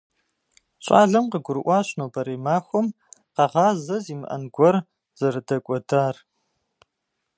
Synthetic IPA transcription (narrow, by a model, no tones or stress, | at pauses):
ɕʷʼa̰ːɮɐmqəɡʷʊɾɨʔʷɑːɕnoːbɐɾeːmaːxʷɔm | qɑʁɑːzɐziːmɨ̰ʔɐ̰nɡʷɔr | z̥ɐɾɨdɐkʷʼɔdaːr